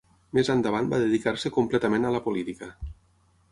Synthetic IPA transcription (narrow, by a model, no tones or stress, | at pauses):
mezand̪əβ̞anbaðeðikaɾsəkumplɛt̪əmenələpolit̪ikə